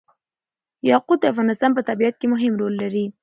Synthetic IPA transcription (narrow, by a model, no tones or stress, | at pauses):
jɑqud̪̚əafɣɑnɪst̪ɑnpət̪abiat̪̚kemʊɦɪmɾolːaɾi